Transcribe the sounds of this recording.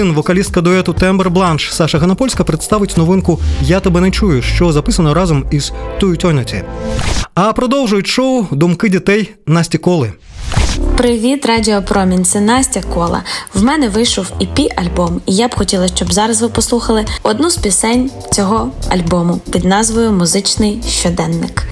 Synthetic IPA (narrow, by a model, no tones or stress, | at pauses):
inʋɔkɐlʲist̪̚kɐd̪ɔɛt̪ʊt̪ɛmbɛrblˠɑnʃsɑʃɐɦɐnɐpɔlʲsʲkɐpɾet̪st̪ɑʋɪtʲnɔʋɪnkʊjat̪ɔbɛnɛt͡ʃujʊʃt͡ʃɔzɐpɪsɐnɔɾɑzɔmiz̥t̪ɔjʊtʲɔnʲɔt͡sʲḭ | ɐpɾɔd̪ɔwʒʊjʊtʲʃɔʊd̪ʊmkɪdʲit̪ɛj | nɑsʲtʲikɔlˠɪ | pɾɪʋʲit̪rɑdʲiɔpɾɔmʲinʲsʲɪnɑsʲtʲɐkɔlˠɐ̰wmɛnɛʋɪjʃɔwipʲiʔɐlʲbɔmijabxɔtʲilˠɐsʃt͡ʃɔbzɑɾɐzʋɪpɔslˠuxɐlˠɪɔd̪nuspʲɪsɛnʲ | t͡sʲɔɦɔɐ̰lʲbɔmʊpʲid̪nɑzʋɔjʊmʊzɪt͡ʃnɪjʃt͡ʃɔd̪ɛnːɪk